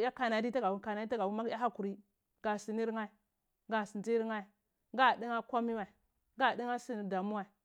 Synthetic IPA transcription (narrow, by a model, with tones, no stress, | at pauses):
ja˦ka˨na˨di˦ta˦ɡa˨wu˦ka˨na˨˦i˦ta˦ɡa˨wu˦ma˦ja˦ɦa˦ku˨ɾi˦ | ɡa˨si˨ni˦ɾŋa˦i˨ | ɡa˨si˨nd͡ʒi˦ɾŋa˦˨ | ɡa˦˨di˦ŋa˦kʷa˦mi˦wa˨i˨ | ɡa˦˨di˦ŋa˦si˦n˨da˨mu˦wa˨i˨